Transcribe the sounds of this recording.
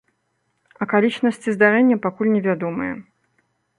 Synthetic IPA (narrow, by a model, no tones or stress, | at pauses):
ɐkalʲit͡ʂnɐsʲt͡sʲizd̪aɾɛnʲːɐpakulʲnʲɛvʲad̪ɔmɨjɛ̰